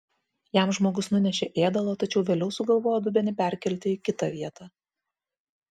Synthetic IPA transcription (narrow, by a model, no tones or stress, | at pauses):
jæˑmʒmoːɡʊsnʊnʲɛʃʲeːʔeːd̪ɐlˠoːt̪ɐt͡ʃʲɛʊʋʲeːlʲɛʊsʊɡɐlˠʋoːjod̪ʊbʲɛnʲɪpʲæɾʲkʲɛlʲt̪ʲɪɪkʲɪt̪ɐʋʲiɛt̪ɑː